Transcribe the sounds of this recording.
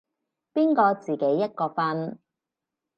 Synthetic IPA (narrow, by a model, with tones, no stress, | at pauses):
piː˥nkɔː˧t͡siː˨˩ke˨˥jːɐ˥t̚kɔː˧fɐ˥n